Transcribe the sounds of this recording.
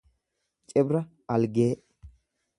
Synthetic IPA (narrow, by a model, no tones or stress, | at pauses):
t͡ʃʼɛbɾɐ | ɐlɡeː